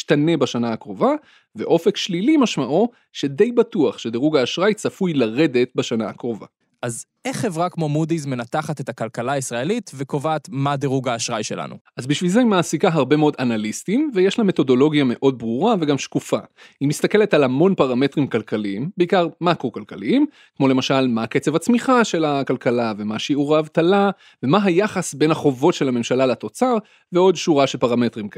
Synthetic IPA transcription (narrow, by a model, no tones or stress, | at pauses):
iʃtane̞baʃanaːkʁo̞va | ve̞̰ʔo̞fe̞kʃlilimaʃmaʔo | ʃe̞d̪e̞jbatuaχʃe̞d̪eʁuɡaːʃʁajt͡safujlaʁe̞d̪e̞t̪baʃanaakʁo̞va̰ | ʔazʔeχːe̞vʁakmo̞mudizme̞nat̪aχat̪e̞takalkalaisʁaelitvekovaːt̪madeʁuɡaːʃʁajʃela̰nṵʔazbiʃvilzeimaːsikaɦaʁbe̞meo̞d̪analistimvejeʃlame̞t̪o̞do̞lo̞ɡjame̞ʔo̞d̚bʁuʁave̞ɡamʃkufa̰himist̪ake̞letalamo̞npaʁame̞tʁimkalkaliimbeikaʁmakʁo̞kalkaliim | kmo̞le̞maʃalmake̞t͡sevat͡smiχaʃe̞lakalkalave̞maʃiuʁaːvtala | ve̞maɦajaχasbenhaχo̞vo̞tʃe̞lame̞mʃalalat̪o̞t͡saʁ | veo̞dʃuʁaʃelpaʁame̞t̪ʁim